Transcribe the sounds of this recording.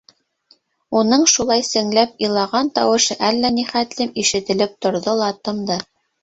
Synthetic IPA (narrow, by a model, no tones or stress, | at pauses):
unɤɴʃulˠɑjsɘ̆ŋlæpilˠɑʁɑnt̪ɑwɤ̆ʃɤʔælːæniχæt̪lɘmiʃɘ̆t̪ɘ̆lɘp̚t̪ŏɾðolˠɑt̪ɤ̆md̪ɤ